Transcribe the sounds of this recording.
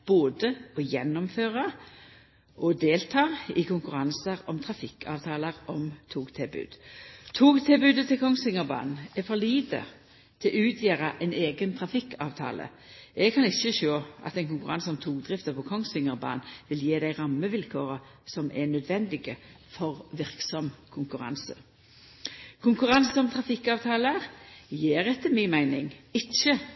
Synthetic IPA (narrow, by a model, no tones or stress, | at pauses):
b̥oːd̪əɔjɛnːɔmføːʁɑ | ʔɔd̪eːlt̪ʰɑːɪkʊŋkʉʁɑnsəɾɔmt̪ʰʁɑfɪkːʰɑ̰ːʋt̪ʰɑːləʁɔmt̪ʰuːɡt̪ʰɛbʉ̰ːd̪̥t̪ʰuːɡt̪ʰɛːbʉːd̪ət̪ʰɪlkʰɔŋsɪŋəʁbɑ̰ːnn̩ɛfɔliːd̪ə̰ | t̪ʰɪlʉːt̪ʰjeːɾɑʔɛɪneːɡənt̪ʰʁɑfɪkːɑ̰ːʋt̪ʰɑ̰ːlə̰ | ɛɡ̚kʰɑnɪçəʃoːʔɑ̰t̪ɛɪnkʊŋkʉʁɑnsɔmt̪ʰuːd̪ʁɪft̪əpʰɔkʰɔŋsɪŋəʁbɑ̰ːnʋɪljeːd̪æɪʁɑmːəʋɪlkʰoːʁə | sɔmʔɛnœd̪ʋɛnd̪ɪɡə | fɔʁʋɪʁksɔmkʰʊŋkʉʁɑ̰nsə | kʰʊŋkʉʁɑnsəɔmt̪ʰʁɑfɪkːɑːʋt̪ʰɑːləəʁjeːʁɛt̪ːəmɪnmæɪnɪŋɪçə